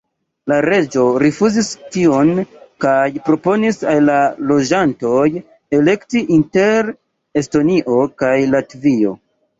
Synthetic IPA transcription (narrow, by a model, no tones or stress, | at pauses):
laɾe̞d͡ʒo̞ɾifuzistio̞nkajpɾo̞po̞nisalːalo̞d͡ʒanto̞j | e̞le̞ktiʔinte̞ɾ | e̞sto̞niʔo̞kajlatvio̞̰